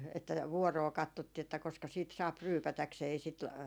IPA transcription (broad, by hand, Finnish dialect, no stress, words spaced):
etːæ ʋuɔroː kɑtːotːiː etːæ koskɑ siːt sɑːp ryːpætækseː ei sit